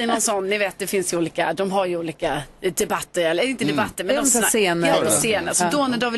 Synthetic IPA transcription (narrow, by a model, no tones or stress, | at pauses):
ɪnɔnsɔnːɪveːt̪̚d̪ɛfɪnsjuːliːka̰d̪ɔmɦaɾjɵuːliːkad̪ɛbat̪ːəɾɛlːəɾɪnt̪əd̪ɛbat̪ːəɾmɛnɔmsaseːnɑpɔseːnəɾsɔd̪ɔnæɖɔvɪ